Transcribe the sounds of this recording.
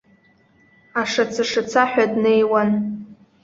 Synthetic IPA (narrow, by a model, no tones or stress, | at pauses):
aʂat͡sʰaʂat͡sʰaħʷᶣadnejwan